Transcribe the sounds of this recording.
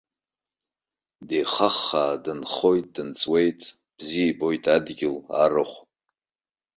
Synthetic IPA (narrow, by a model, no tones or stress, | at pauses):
dejχaχːaːdɨnχo̞jtʼdɨnt͡sʼwe̞jtʼ | b̥ziebojtʼadɡʲɪla̰rɨχʷ